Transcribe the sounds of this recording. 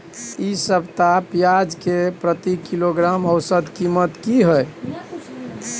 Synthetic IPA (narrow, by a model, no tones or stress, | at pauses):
isəbʱt̪apjad͡ʒkepɾət̪ikiloɡɾaməwsəd̪kimət̪kiɦəj